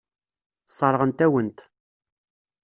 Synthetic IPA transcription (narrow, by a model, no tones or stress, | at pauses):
sˤːɑɾˤʁənt̪æwənt̪